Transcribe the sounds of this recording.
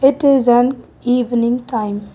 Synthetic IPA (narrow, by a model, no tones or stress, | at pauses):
ɪtizə̃n | ivnĩŋtʰãjm